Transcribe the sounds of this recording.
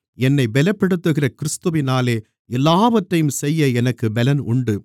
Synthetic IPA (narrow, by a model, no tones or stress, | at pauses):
ɛnːɐɪbɛlɐpːɛɽɯt̪ːɯɣɪrɐkɪɾɪst̪ɯʋɪnaːleː | ɛlːaːʋɐʈrɐjɯmsɛjːɐɛnɐkːɯbɛlɐnʊɳɖɯ